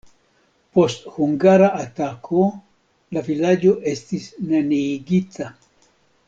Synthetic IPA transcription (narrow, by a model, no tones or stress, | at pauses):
post̪huŋɡaɾaʔat̪akʰo | lafilaɟoʔest̪isnaniɡit̪a